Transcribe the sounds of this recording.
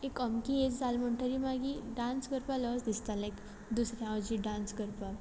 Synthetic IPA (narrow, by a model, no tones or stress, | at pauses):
ekəmkiet͡sd͡zalməɳʈəɾimaɡiɖãnsɡəɾpalɔsd̪ist̪alek | d̪usɾãaʋəd͡ʑiɖãnsɡəɾpa